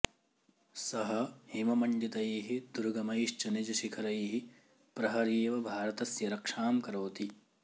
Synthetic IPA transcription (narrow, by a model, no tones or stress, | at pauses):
sɐɦɐhimɐmɐɳɖit̪ɐjɐɦid̪uɾɡɐmɐjʃt͡ʃɐnid͡ʒɐʃikʰɐɾɐjɦi | pɾɐɦɐɾeːʋɐbʱaːɾɐt̪ɐsjɐɾɐkʂaːmkɐɾoːt̪i